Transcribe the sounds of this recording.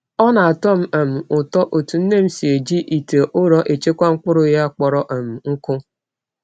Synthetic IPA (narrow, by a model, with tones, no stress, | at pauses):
ɔ˦na˨a˨tɔ˦m̩˦a˨m̩˨ʊ˨tɔ˦ʔo˨tu˨n̩˦ne˦m̩˦si˨e˨d͡ʒi˦ʔi˨te˨ʔʊ˦ɾɔ˦ʔe˨t͡ʃe˦kʷa˦ŋ̩˦k͡pʊ˦ɾʊ˦ja˦˨k͡pɔ˨ɾɔ˨ʔa˨m̩˨ŋ̩˦kʊ˦